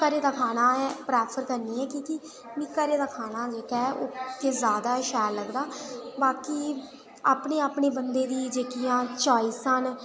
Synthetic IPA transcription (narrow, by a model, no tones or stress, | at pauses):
kəɾeːd̪aːkʰaːnaːɛːpɾɛːpʰəɾkəɾniːɛːkiːkɪ | mĩːkəɾeːd̪aːkʰaːnaːd͡ʒeːkɛːo̰ːk̪eːzjaːd̪aːʃɛːllːəɡd̪aːbaːkiː | aːpneːaːpɳeːbənd̪eːd̪iːd͡ʒeːkijãːt͡ʃɔːiːsən